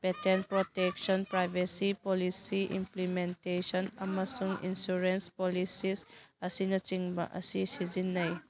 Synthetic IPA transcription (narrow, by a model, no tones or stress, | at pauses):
petenpɾotek̚sɔnpɾajbʱesipolisiḭmplimentesɔnɐmɐsuŋḭnsuɾenspolisisɐsinɐt͡ʃiŋbɐ̰ʔɐ̰sisizinːɐj